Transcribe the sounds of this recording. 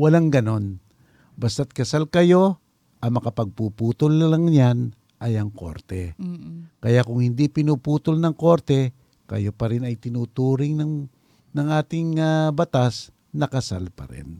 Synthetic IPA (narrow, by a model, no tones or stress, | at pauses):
wɐlaŋɡɐno̞n | bɐst̪at̪̚kɐsalkɐjo̞ | ʔɐmɐkɐpɐɡ̚pupuːt̪ʊllɐŋɲan | ʔɐjɐŋko̞̰ɾt̪ɛ | kɐjakʊŋhɪnd̪ipɪnuːpuːt̪olnɐŋko̞ɾt̪ɛ | kɐ̰jopɐɾɪnɐjt̪ɪnuːt̪uːɾɪŋnɐŋ | nɐŋʔaːt̪ɪŋabɐt̪as | nɐkɐsalpɐ̰ɾɛ̰n